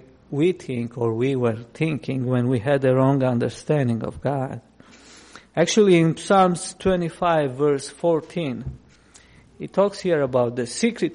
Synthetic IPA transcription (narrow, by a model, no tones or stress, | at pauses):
wiθʰɪ̃ŋkɔɹwiwəɹθɪ̃ŋkʰɪ̃ŋwɛ̃nwiɨd̪əɹɔ̃ŋɡʌ̃ndə˞stæ̃ndɪ̃ŋɔ̰vɡɑd̥ | æk̚t͡ʃul̩ˠiɪ̃nsalmz̥tʰwɛ̃ñtifaɪvːɜɹsfɔɹt̪ʰĩn | ɨtʰɔkshiɹəbawt̪̚ðɨsikɹɨt